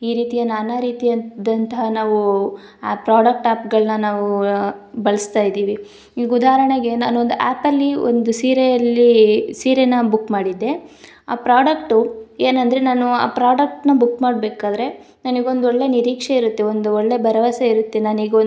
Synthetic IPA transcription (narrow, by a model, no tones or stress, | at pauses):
iːɾiːt̪ijɐnanɐɾiːt̪ijɐnd̪ɐnt̪ɐɦɐnaːʋu | pɾaːɽɐk̚ʈaːpɡɐɭnɐnaːʋu | bɐɭist̪aːjd̪iːʋi | iːɡud̪aːɦɾɐɳeɡe̞na̰ːnuond̪uʔaːpɐlːio̰nd̪usiːɾejɐlːisiːɾenɐbukːmaːɽid̪ːe̞ | a̰ːpɾaːɖɐkʈue̞ːnɐnd̪ɐɾe̞naːnua̰ːpɾaːɖɐk̚ʈnɐbukːmaːɽbeːkaːd̪ɐɾe̞ | nɐniɡeo̞nd̪oɭːe̞niɾiːkʂeiɾut̪ːe̞o̞nd̪uoɭːe̞bʱɐɾɐʋaːsɐiɾut̪ːe̞naːniɡeo